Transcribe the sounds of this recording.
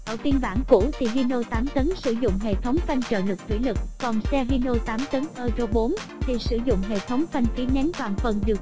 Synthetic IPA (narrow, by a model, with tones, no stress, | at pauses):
ʔəː˧˩fi˧ənɓaː˧˩nkṵ˧˥t̪ʰi˨˩ɦi˧no˧t̪aː˨˦mt̪ə˨˦nsɨ˧˩zʊ̰˧˨ŋ͡mɦḛ˧˨t̪ʰə˨˦wŋ͡mfa˧jŋ̟t͡ɕə̰ː˧˨lɨ˨˩k̚t̪ʰwḭ˧˩˦lɨ˨˩k̚ːɔ˨˩nsɛ˧ɦi˧no˧t̪aː˨˦mt̪ə˨˦nʔəː˧zo˧ɓo˨˦nt̪ʰi˨˩sɨ˧˩zʊ̰˧˨ŋ͡mɦḛ˧˨t̪ʰə˨˦wŋ͡mfa˧jŋ̟fi˨˦nɛ˨˦nt̪waː˨˩nfə˨˩nɗi˨˩əw